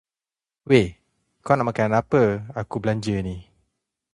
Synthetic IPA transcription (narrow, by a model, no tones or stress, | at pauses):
we | kɔnaʔmakanapəakublaɲd͡ʒənĩ